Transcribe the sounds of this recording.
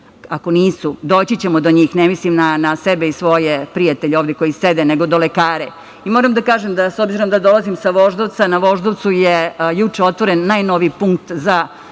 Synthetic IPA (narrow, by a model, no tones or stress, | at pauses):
ako̞niːsud̪oːt͡ɕit͡ɕemod̪oɲiːxnemislimnanasebeisʋo̞jepɾijat̪eʎeoʋvd̪eko̞jised̪eneɡo̞d̪o̞lekaːɾe | imoːɾamd̪akaːʒemd̪asobziɾo̞md̪ad̪o̞lˠazimsaʋo̞ʒd̪oʋt̪sanaʋo̞ʒd̪oʋt̪sujejut͡ʂeo̞t̪ʋo̞ɾenːajno̞ʋipuŋk̚t̪za